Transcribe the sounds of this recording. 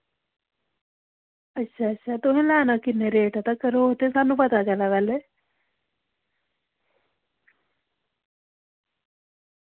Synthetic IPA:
ətːʃʰaətːʃʰat̪ʊɦẽlɛːnakɪnːeɾeːʈat̪akəɾoɦot̪esaːnːũːpɐt̪at͡ʃəlaʋɛːle

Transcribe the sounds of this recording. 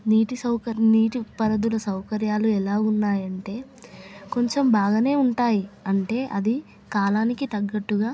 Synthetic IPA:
niːʈisɐwkɐniːʈipɐɾɐd̪ulɐsɐwkɐɾjaːluɛlaːunːaːjɐɳʈe̞ː | ko̞ɲt͡ʃe̞mbʱaːɡɐne̞ːuɳʈaːjiɐɳʈe̞ːʔɐd̪i | kaːlaːnikit̪ɐɡːɐʈːuɡaː

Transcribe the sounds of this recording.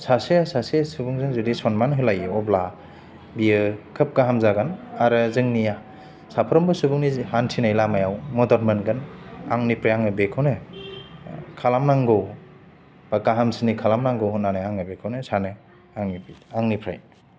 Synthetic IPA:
saseasasesubuŋzɯŋzudisɔnmanɦɯlajɯɔbla | bijɯkʰɯp̚kaɦamzaɡanaɾɯzɯŋnija | sapʰɔɾɔmbɯsubuŋnihantʰinajlamajawmɔdɔɾmanɡɯnaŋnipʰɾajaŋɯbekʰɯwnɯ | kʰalamnaŋɡɔw | b̥akaɦamsʰinikʰalamnaŋɡowɦɔnanaaŋɯbekʰɯwnɯsanɯ | aŋnibiaŋnipʰɾa̰j

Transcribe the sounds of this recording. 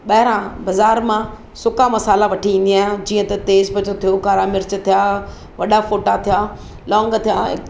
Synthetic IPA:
ɓɐɦɪɾãbɐzaːɾmã | sʊkamɐsaːlaʋɐʈʰiĩːn̆d̪iaːɦɪ̃d͡ʑiːə̃t̪ɐt̪eːzbɐt͡ɕot̪ʰijokaːɾaːmɪɾt͡ɕ̆t̪ʰijaː | ʋɐɗafoːʈat̪ʰijaː | lɔ̃ːŋɡt̪ʰijaɪ̰

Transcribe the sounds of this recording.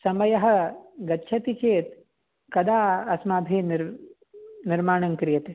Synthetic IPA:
sɐmɐjɐɦɐ̆ɡɐtːʃʰɐt̪it͡ʃeːt̪̚ | kɐd̪aːɐsmaːbʱiniɾ | niɾmaːɳɐŋkɾijɐt̪e

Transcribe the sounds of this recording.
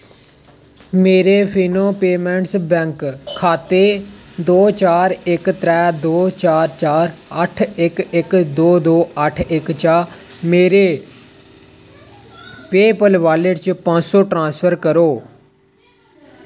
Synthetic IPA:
meːɾeːpʰiːnõːpeːmɛ̃ːɳʈsbɛ̃ːŋkʰːaːt̪eːd̪oːt͡ʃaːɾɪkt̪ɾɛːd̪oːt͡ʃaːɾt͡ʃaːɾəʈʰɪkɪkd̪oːd̪oːəʈʰɪkt͡ʃaːmeːɾeː | peːpəlʋaːləʈt͡ʃpãːsoːʈɾãːspʰəɾkəɾoː

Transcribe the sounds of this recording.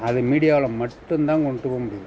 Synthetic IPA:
ɐðɯmiːɽɪjaːʋɐɭɐmɐʈːɯnd̪ãːŋkɔɳːɖʈːɯpoːmʊɽɪjɐ

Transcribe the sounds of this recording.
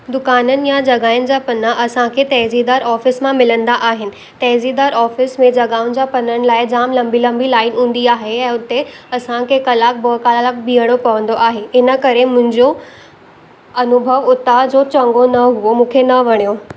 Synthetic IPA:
d̪ʊkaːnənɪ̆jad͡ʑɐɡaːɪnɪ̆d͡ʑaːpɐnaʔɐsãkʰet̪ɛːzid̪aːɾɔːfɪsmãmɪlə̃nd̪aʔaːɦɪnɪ̆ | t̪ɛːzid̪aːɾɔːfɪsmẽd͡ʑɐɡaːʊnɪ̆d͡ʑaːpɐnəɽ̃ɪ̆laːɪd͡ʑaːmlɐ̃mbilɐ̃mbilaːɪnɦũːn̆d̪iaːɦeɛ̃ːʊt̪eɐsãkʰekɐlaːk̚bokaːlalak̚biɦəɽ̃opɐʋə̃nd̪oʔaːɦeɪnə̆kɐɾemʊ̃ɦɪ̃ɲd͡ʑo | ɐnʊbʱəʋʊt̪ad͡ʑoːt͡ɕɐ̃ŋɡonɐɦuʋomũːkʰenɐʋɐɽ̃ijo

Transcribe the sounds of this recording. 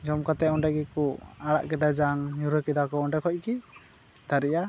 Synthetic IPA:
d͡ʒɔmkat̪ɛɔɳɖaɡikɔaɽa̰ʔkɛd̪ad͡ʒaŋɲuɾɔkɛd̪akɔɔɳɖakʰɔc̚ˀki | d̪aɾɛja

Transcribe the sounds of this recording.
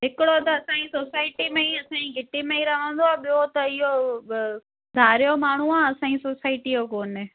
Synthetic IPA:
ɦɪkɪɽot̪ɐɐsãːisoːsaːɪʈimẽĩɐsãːĩɡʱɪʈimẽĩɾɐʋə̃n̆d̪oaːɓɪjot̪ɐɪɦo | d̪ʱaːɾɪjomaːɳ̤uãːɐsãːisoːsaːɪʈijokoːnɪ

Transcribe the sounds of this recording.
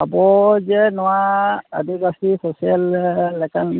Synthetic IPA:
abɔzɛnɔwaadiɡasisɔsialːɛkan

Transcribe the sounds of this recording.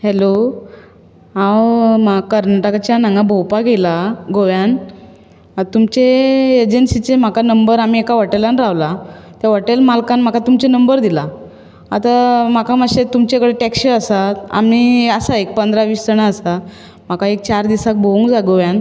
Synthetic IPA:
hɛlo | ãwmakəɾnaʈəkat͡ɕjanãŋɡabowpaɡelaɡoʋjan | t̪umt͡ɕeːd͡ʑensit͡sem̤akanəmbəɾam̤iekaʋəʈelanɾaʋlat̪jaʋəʈelmalkanm̤akat̪umt͡ɕenəmbəɾd̪ila | at̪am̤akaməɕet̪umt͡ɕekəɽeʈɛkɕiəsat̪a̰m̤iəsaek̚pənd̪ɾaʋiːst̪əɳaəsa | m̤akaek̚t͡ɕaɾd̪isak̚bouŋkd͡zaɡoʋjãn

